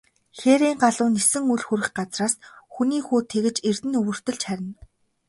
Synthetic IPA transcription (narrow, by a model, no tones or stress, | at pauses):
xeɾiːŋɢaɮʊːnesɘ̆ŋuɮxuɾɘ̆xɢat͡sraːsxuniːxuːt̪ʰeɣɘ̆t͡ɕer̥t̪ɘ̆nɵɣɵ̆r̥t̪ɵ̆ɮt͡ɕχæɾʲɪ̆n